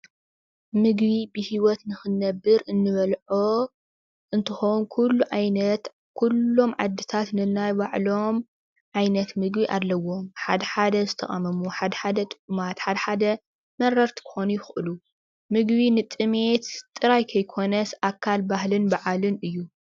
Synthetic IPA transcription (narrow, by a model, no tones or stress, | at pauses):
mɨɡbibɨhiwɔt̪nɨxɨnːɐbːɨɾɨnːɨβɐlʕo | ʔɨnt̪ʰɨxownkʰulːuʕajnɐt̪ | kʰulːo̞mʕad̪ːɨt̪ʰat̪nɨnajbaʕlo̞m | ʕajnɐt̪mɨɡbiʔalːɐwo̞mħa̰d̪ɐħad̪ɐzɨt̪ʰɐ̰χʼɐ̰mɐmuħad̪ɐħad̪ɐt̪ʼɨ̥kʼumat̪ħad̪ɐħad̪ɐ | mɐɾɐɾt̪ʰi̥kʰɨ̥xo̞nujɪxʔɨlu | mɨɡβinɨt̪ʼɨme̞t̪t̪ʼːɨɾajkʰɐjkʰo̞nɐsʔakʰːalbahlɨnbaʕalɨnɨjːu